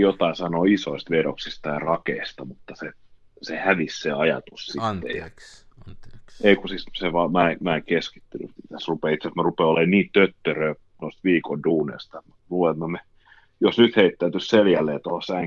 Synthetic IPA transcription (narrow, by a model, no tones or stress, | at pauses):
jot̪ɑisɑnoːisoist̪ʋedoksist̪ɑjɑrɑkeist̪ɑmut̪ːɑse | sehæʋisseɑjɑ̰t̪ussit̪ːḛjɑ̰ | eikusit̪seʋɑːmæemæːeŋkeski̥t̪ːyny̰it̪æsrupeːit̪sæsmærupeˑolːeːnniːtt̪øt̪ːørøː | nost̪ʋiːkonduːnḛist̪ɑet̪muluːemːɑme | josnyt̪heit̪ːæyt̪ysseljælːeːt̪ohosæŋ